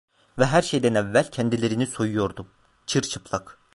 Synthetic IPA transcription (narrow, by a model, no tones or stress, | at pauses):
vɛɦæɾʃejd̪ænɛvːælʲcʰɛnd̪ilʲe̞ɾiniso̞jujo̞ɾd̪um | t͡ʃʰɯɾt͡ʃʰɯ̥pʰlˠak